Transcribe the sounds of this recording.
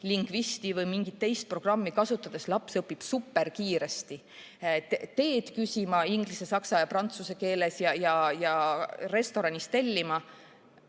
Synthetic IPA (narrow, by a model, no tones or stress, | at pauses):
liŋɡ̥vist̪ivɤjmiŋɡ̥it̪ːe̞jst̪̚pro̞ɡ̥rɑmːikɑsut̪ːˑɑd̪̥e̞slɑpsɤpːib̥supːe̞rkiːɾe̞st̪i | t̪e̞ːd̪̥kysʲimɑiŋɡ̥lise̞sɑksɑjɑprɑnt̪suse̞ke̞ːle̞sjɑjɑjɑre̞st̪o̞ɾɑnʲist̪e̞lʲːimɑ